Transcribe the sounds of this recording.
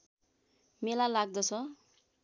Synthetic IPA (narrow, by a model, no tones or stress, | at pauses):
melalaɡ̚d̪ʌt͡sʰʌ